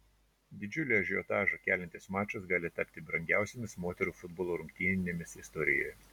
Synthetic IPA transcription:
d̪ʲɪd͡ʒʲʊlʲiɐʒʲɔːt̪ɑːʒokʲæːlʲɛnʲt̪ʲɪsmɑːt͡ʃʲʊsɡɑːlʲɪt̪ɑpʲt̪ʲɪbɾɐŋʲɡʲæˑʊsʲemʲɪsmoːt̪ʲɛɾuːfʊd̪boːlˠoːɾʊŋʲkʲt̪ʲinʲnʲemʲɪsɪst̪ɔɾʲɪjo̰ːj

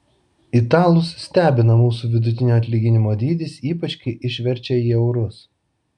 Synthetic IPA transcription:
ɪt̪ɑːlˠʊssʲt̪ʲæːbʲɪnɐmuːsuʋʲɪd̪ʊt̪ʲɪnʲoːɐt̪ʲlʲiːɡʲɪnʲɪmoːd̪ʲiːd̪ʲɪsiːpɐt͡ʃʲkʲɪɪʔɪʃʲʋʲɛɾʲt͡ʃʲɛiːɛʊɾʊs

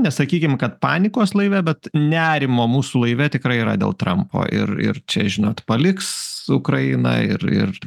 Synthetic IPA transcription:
nʲɛsɐkʲiːkʲɪmkɐt̪̚pɑːnʲɪkoːslˠɐɪʋʲɛbʲɛt̪nʲæːɾʲɪmoːmuːsuːlˠɐɪʋʲɛt̪ʲɪkɾɐɪiːɾɐ̰d̪ʲḛːlˠt̪ɾɐmpʰo̰ːʔɪ̰rɪ̰rt͡ʃʲɛʒʲɪnoːt̪pɐlʲɪksʊkɾɐɪnɐ̰ɪ̰rɪ̰r

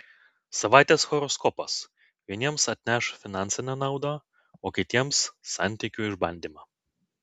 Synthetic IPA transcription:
sɐʋɑˑɪt̪ʲeːsxɔɾɔskɔpɐs | ʋʲiɛnʲiɛmsɐt̪ʲnʲæʃfʲɪnɑˑnʲsʲɪnʲɛnɑˑʊd̪ɑ | oːkʲɪt̪ʲiɛmsːɑ̰nʲt̪ʲɪkʲuːɪʒbɐnʲd̪ʲiːmɑː

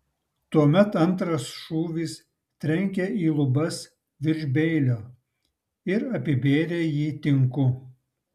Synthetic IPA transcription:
t̪uɔmʲɛt̪ɐnˑt̪ɾɐsʃuːʋʲis | t̪ʲɾʲɛŋʲkʲɛʔiːlˠʊbɐs | ʋʲɪɾʲʒʲbʲɛɪlʲoː | ɪɾɐpʲɪbʲeːlʲeːjiːt̪ʲɪŋkʊ

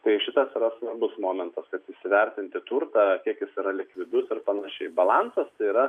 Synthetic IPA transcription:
t̪ɐɪʃʲɪt̪ɐsiːɾɐsʋɐrbʊsmoːmʲɛnt̪ɐskɐt̪ɪʃsʲɪʋʲɛrʲt̪ʲɪnʲt̪ʲɪt̪ʊrt̪ɑːkʲiɛkjɪsiɾɐlʲɪkʋʲɪd̪ʊsɪrpɐnɐʃʲɛɪbɐlˠɑnsɐst̪ɐɪiːɾɐ

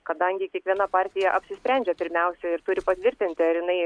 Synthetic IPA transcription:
kɐd̪ɐŋʲɡʲɪkʲiɛkʋʲiɛnɐpɑːɾʲt̪ʲɪjɛʔɐpʲsʲɪsʲpʲɾʲænʲd͡ʒʲɛpʲɪɾʲmʲɛʊsʲɛɪɾt̪ʊɾʲɪpɐt̪ʲʋʲɪɾʲt̪ʲɪnʲt̪ʲɪɐɾjɪnɐɪ

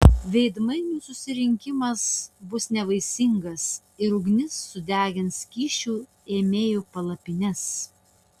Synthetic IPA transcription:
ʋʲɛɪd̪mɐɪnʲuːsʊsʲɪɾʲɪŋʲkʲɪmɐsbʊsnʲɛʋɐɪsʲɪŋɡɐs | ɪɾʊɡnʲɪsːʊd̪ʲæːɡʲɪnskʲiːʃʲuː | eːmʲeːjopɐlˠɐpʲɪnʲɛs

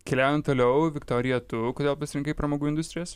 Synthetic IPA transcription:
kʲɛlʲæːʊjɛnt̪oːlʲɛʊʋʲɪkt̪oːɾʲɪjɛt̪ʊkoːd̪ʲeɛlˠpɐsʲɪɾʲɪŋkɐɪpɾɐmoːɡuːɪnd̪ʊsʲt̪ɾʲɪjos

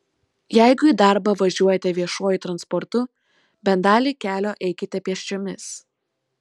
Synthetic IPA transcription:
jɛɪɡʊiːd̪ɑˑɾbɐʋɐʒʲuɔjɛt̪ʲɛʋʲiɛʃoːjʊt̪ɾɐnspɔɾt̪ʊ | bʲɛnd̪ɑːlʲiːkʲæːlʲoːʔɛɪkʲɪt̪ʲɛpʲiɛʃʲt͡ʃʲoːmʲɪs

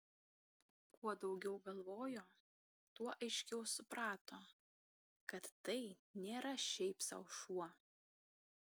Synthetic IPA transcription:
kuɔd̪ɒʊɡʲɛʊɡɐlˠʋoːjoː | t̪uɔʔɐɪʃʲkʲɛʊsʊpɾɑːt̪oː | kɐt̪ːɐɪnʲeːɾɐʃʲɛɪpsɐ̰ʊʃuɔ

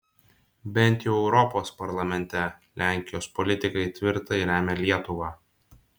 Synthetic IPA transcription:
bʲɛnʲˑt̪ʲjɛʊɛʊɾɔpoːspɐɾlˠɐmʲɛnʲt̪ʲɛlʲæˑŋʲkʲɪjoːspɔlʲɪt̪ʲɪkɐɪt̪ʲʋʲɪɾt̪ɐɪɾʲæːmʲɛlʲiɛt̪ʊʋɑː

